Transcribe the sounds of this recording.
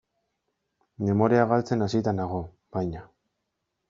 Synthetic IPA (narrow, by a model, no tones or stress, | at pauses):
me̞mo̞ɾiaɣalt͡se̞nasit̪anaɣo̞ | bajɲa